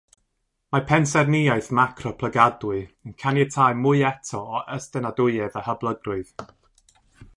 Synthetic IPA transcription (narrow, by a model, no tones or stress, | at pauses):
mapʰɛnsɛrnɪajθmakʰrɔpʰlˠəɡadʊɨənkʰanjɛtʰaɨmʊɨɛtʰɔːʔəstənadʊɨɛðahəblˠəɡrʊɨð